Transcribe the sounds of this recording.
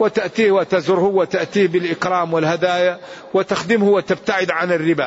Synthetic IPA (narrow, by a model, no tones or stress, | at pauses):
wɪt̪aʔt̪iːhwat̪azʊɾhʊwːat̪aʔt̪iːhbɪlʔɪkɾɑːmwɪlhad̪aːjawɪt̪axd̪ɪmhʊwat̪ɪb̚t̪aʕɪd̪ʕanɪrːɪbaː